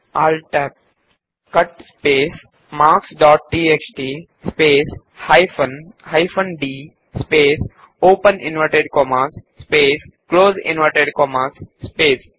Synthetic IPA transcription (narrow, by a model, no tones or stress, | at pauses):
aːlʈɛːp̚ | kʌʈspeːs | maːksɖɔːʈ̚ʈiːekt͡ʃɖiː | speːs | haɪfə̃nhaɪfə̃nɖiː | speːs | oːpə̃nɪ̃nʋəɾʈeɖkɔːmaːsːpeːskloːzɪ̰̃nʋəɾʈeɖkɔːmaːsːpeːs